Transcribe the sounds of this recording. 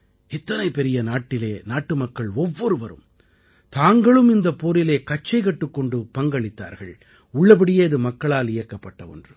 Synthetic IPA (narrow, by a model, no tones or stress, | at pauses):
ɛt̪ːɐnɐɪpːɛɾɪjɐnaːʈːɪleːnaːʈːɯmɐkːɐɭɔʋːɔɾɯʋɐɾɯ̰m | t̪aːŋɡɐɭɯmɪnd̪ɐpːoːɾɪleːkɐt͡ʃːɐɪkɐʈːɯkːɔɳɖɯpɐŋɡɐɭɪt̪ːa̰ːɾɣɐ̰ɭ | ʊɭːɐp̬ɐɽɪjeːɐðɯmɐkːɐɭaːlɪjɐkːɐpːɐʈːɐɔ̰ndrɯ